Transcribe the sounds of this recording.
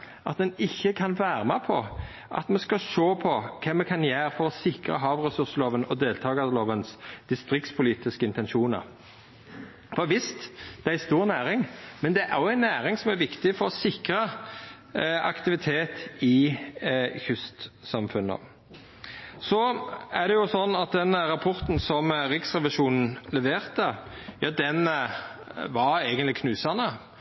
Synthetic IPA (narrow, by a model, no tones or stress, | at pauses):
ʔɑt̪̚d̪ɛnɪçːəkʰɑnʋæːɾəmɛpʰɔ | ʔɑ̰t̪mɛskɑʃoːpʰɔkʰɛmmːɛkʰɑnjæːɾfɔɾɔsɪkɾə̰ɦɑːʋʁɛsʉʁsəloːʋənɔd̪eːlt̪ʰɑːɡɑd̪əloːʋənsd̪̥ɪst̪ɾɪk̚t̪spʰʊliːt̪ɪskəɪnt̪ɛnʃuːnə̰ɾ | fɔʋɪst̪d̪̥ɛæɪst̪uːʁnæːɾɪŋmɛnd̪ɛʔæɾɔæɪnːæːɾɪŋsɔmæɾʋɪkt̪ɪfɔɾɔsɪkɾə | ɑ̰kt̪ɪʋɪt̪ʰeːt̪ɪ | çʏst̪sɑmfʉnːə̰ | sɔæd̪ɛjʊsɔnːɑt̪̚d̪ɛnɾɑpʰɔɾt̪n̩sɔmɾɪksʁɛʋɪʂuːnn̩lɛʋeːʁt̪əjɑːd̪ɛn | ʋɑɾeɡənt̪lɪkʰnʉːsɑnə